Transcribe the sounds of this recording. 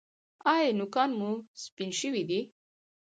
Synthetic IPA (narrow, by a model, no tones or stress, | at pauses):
ɑjenʊkɑnmuspinʃəwid̪i